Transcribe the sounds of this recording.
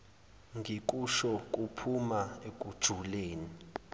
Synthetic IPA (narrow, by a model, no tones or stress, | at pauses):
ŋʱik̬ʼuʃɔk̬ʼupʰumaek̬ʼud̥ʒ̥ʱuleːni